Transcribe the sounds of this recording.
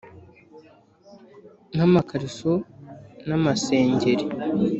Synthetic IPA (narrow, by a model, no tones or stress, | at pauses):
ŋ̥hamakaɾisonamase̞ːɲɟe̞ɾe